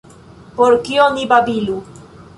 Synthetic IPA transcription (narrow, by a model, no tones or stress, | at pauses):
poɾkionibabilu